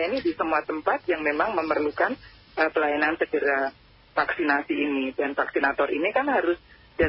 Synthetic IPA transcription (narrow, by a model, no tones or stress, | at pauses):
ainidisəmuat̪əmpat̪̚jaŋmemaŋməmərlukan | ʔəpəlajanansəɡəɾa | faksinasiːnidanfaksinat̪ɔrinikanhaɾʊs | da